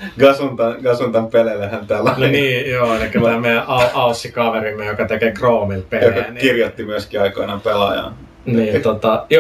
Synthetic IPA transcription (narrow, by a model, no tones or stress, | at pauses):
ɡ̥ɑsunt̪ɑɡ̥ɑsunt̪ɑmpelelːehænt̪ælːɑnniːjoːnekylːææmeijæʔɑɑusːikɑʋerimːejokɑt̪ekekroːmilpeljokɑænkirjot̪ːimyøskiɑikoinɑpelɑ̰jɑ̰n | niːt̪ot̪ɑjo